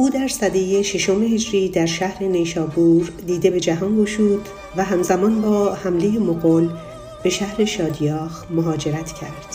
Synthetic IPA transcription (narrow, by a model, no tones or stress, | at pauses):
ʔuːd̪æɾsæd̪ejeʃeʃo̞mehed͡ʒɾiːd̪æɾʃæhɾe̞ne̞ʃɒːbuɾd̪iːd̪e̞be̞d͡ʒæɦɒːnoʃuːd̪ | væɦæmzæmɒːnbɒːhæmleje̞moɣon | b̥e̞ʃæhɾe̞ʃɒːd̪jɒːxmoɦɒːd͡ʒe̞ɾæt̪ʰcʰæɾd̪̥